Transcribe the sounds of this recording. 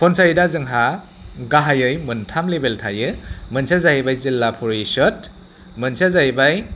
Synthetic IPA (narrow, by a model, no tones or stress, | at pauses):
pʰɔnsajdazɯŋɦa | ɡaɦajɯjmɯntʰamlebeltʰajɯmɯnsʰazajibajzilːapʰɔɾisɔt̚ | mɯnsazajbaj